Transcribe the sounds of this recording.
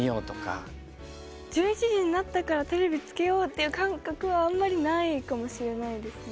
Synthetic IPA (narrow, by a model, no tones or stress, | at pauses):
ijoːt̪o̞ka̰ | d͡ʑɨːɲit͡ɕiʑiɲ̟inat̪ːakaɾat̪e̞ɾe̞bʲit͡sɨ̥ke̞jo̞ːt̪ːe̞jɯ̟ːkãŋkakɯ̟βãːmːaɾʲinaikamo̞ɕiɾe̞naid̪e̞sɨn